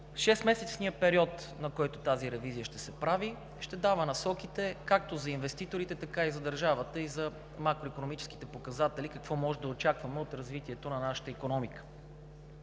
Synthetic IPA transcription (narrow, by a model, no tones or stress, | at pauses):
ʃɛst̪mɛsɛtsniəpɛɾiɔt̪ | nɐkɔjt̪ot̪aziɾɛvizijəʃt̪ɛsɛpɾavi | ʃt̪ɛd̪avənɐsɔkit̪ɛkak̚t̪ozɐinvɛst̪it̪oɾit̪ɛt̪ɐkaizɐd̪ɐɾʒavət̪əizɐ | makɾoikonomit͡ʃɛ̥ski̥t̪ɛpokɐzat̪ɛlikɐkvɔmɔʒɛd̪ɐot͡ʃakvɐmɛot̪ɾɐzvit̪iɛt̪onɐnaʃə̥t̪əikonɔmikə̥